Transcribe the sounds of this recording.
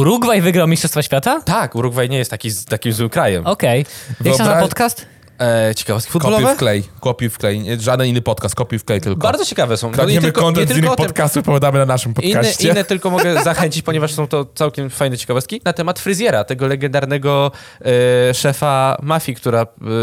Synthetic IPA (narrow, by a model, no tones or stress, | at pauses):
uɾuɡvajvɘɡɾawmʲistʂɔst̪faɕfʲjat̪at̪akuɾuɡvajɲɛjɛst̪t̪akʲizt̪akʲimzwɘmkɾajɛmɔkɛjvɛsapɔt̪kast̪ | t͡ɕɛ̥kavɔst̪kifud̪kɔlɔvɛklɛjkɔpʲifklɛjɲɛʐad̪ɛninːɘpɔt̪̚kast̪̚kɔpʲifklɛjt̪ɘlkkbaɾd̪zɔt͡ɕɛkavɛsɔ̃w̃ɔɛmmekɔnt̪ɛɛɪlinːɔɔtpɔmt̪kast̪ufpɔvʲjad̪amɘnanaʂɘmpɔt̪inkaːɛt͡ɕinɛːɛt̪ɘlkɔmɔɡɛzaxɛɲt͡ɕit͡ɕpɔɲɛvaʂsɔ̃w̃t̪ɔt̪sawkʲɛmfajnɛt͡ɕɛ̥kavɔst̪kʲinat̪ɛmat̪fɾɨzʲjɛɾat̪ɛɡɔlɛɡɛnd̪aɾnɛɡɔ | ʂɛfamafʲjikt̪uɾa